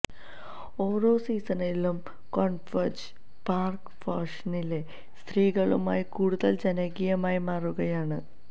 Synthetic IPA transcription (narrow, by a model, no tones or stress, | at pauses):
o̞ːro̞ːsiːsɐnɐlum | koɳfɐd͡ʑ | paːrk | faːʂɐnile̞ | st̪riːɣɐɭuma̰ːjikuːɽuðɐld͡ʑɐnɐɡijɐmaːjimaːruɣɐjaːɳɨ